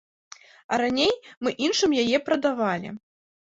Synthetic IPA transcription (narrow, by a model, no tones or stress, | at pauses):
ɐ̰ɾanʲejmɨʔinʂɨmjajɛpɾɐd̪avalʲḭ